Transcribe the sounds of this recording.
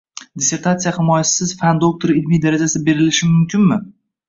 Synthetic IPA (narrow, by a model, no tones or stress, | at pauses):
d̪ʲɪse̞ɾt̪ʰat̪sijahɪmɒjassɪz̥fand̪ok̚t̪ʰoɾɪlmijd̪aɾad͡ʒasɪbe̞ɾɪlɪʃɪmʊmkʲʰɪnmɪ